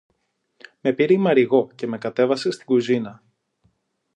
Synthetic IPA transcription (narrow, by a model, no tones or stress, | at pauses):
me̞piɾimɐɾiɣo̞ce̞me̞kɐt̪e̞vɐse̞st̪iɡuzinɐ